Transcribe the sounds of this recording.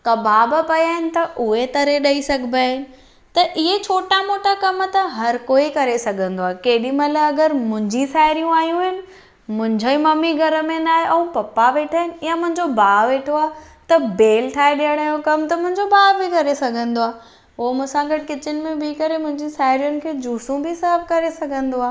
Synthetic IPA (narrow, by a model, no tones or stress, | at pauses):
kɐbʱaːbʊ̆pɐjaːɦɪnɪ̆t̪ɐʔʊɦet̪ɐɾeɗɐisɐɡʱbaɦɪnɪ̆ | t̪ɐʔɪɦet͡ɕʰoːʈamoːʈakɐmt̪ɐɦɐɾkoːikɐɾesɐɡʱə̃nd̪oaːekeːɦɪɗimɐləbɐɡəɾmʊ̃ɦɪ̃ɲd͡ʑisaːɪɾijũaːɦijũɦɪnɪ̆ | mʊ̃ɦɪ̃ɲd͡ʑoĩmɐmiɡʱɐɾə̆mẽnaːɦeʔɐ̃ũpɐpːaʋeːʈʰaːɦɪnɪ̆jãmʊ̃ɦɪ̃ɲd͡ʑobaːʋeːʈʰoaː | t̪ɐbeːlʈʰaːeɗijəɽ̃jokɐmt̪ɐmʊ̃ɦɪ̃ɲd͡ʑobʱaːbʱikɐɾesɐɡʱə̃nd̪oaː | ʊɦomʊ̃ːsãɡɐʈ̚kɪt͡ɕɪnɪ̆mẽbiːkɐɾemʊ̃ɦɪ̃ɲd͡ʑisaːɦɪɾijʊnɪ̆kʰeːd͡ʑuːsũbʱɪsɐəb̚kɐɾesɐɡʱə̃nd̪oaː